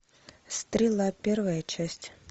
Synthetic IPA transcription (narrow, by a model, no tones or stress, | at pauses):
st̪ɾʲɪlˠapʲervəjət͡ɕæsʲtʲ